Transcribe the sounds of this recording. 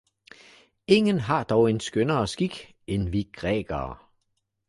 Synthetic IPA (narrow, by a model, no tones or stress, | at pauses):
e̝ŋənɦɑ̈d̥ɒʊe̝nsɡ̥ønɐːsɡ̥iɡ̥ | enʋiɡ̥ʁɛ̰ːɡ̥ɐː